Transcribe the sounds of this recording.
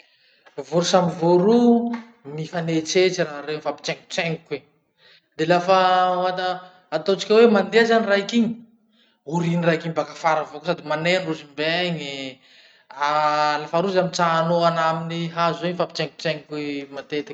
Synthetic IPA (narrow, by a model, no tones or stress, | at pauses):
voɾusamivoɾu | mifanet͡set͡ʃiraɦɾewfapi̥t͡ʃɛŋku̥t͡seŋikwe | d̪elafaat̪əː | t̪ot͡ʃi̥kʲawemand̪eazaniraɦikiɲi̥ | uɾinirakiɲbakafaɾavokosad̪imaneɾruzimbeɲe | alafaɾuzamit͡saanoanaminiɦazeɲfapi̥t͡ʃɛŋku̥t͡ʃɛŋkwemat̪et̪i̥k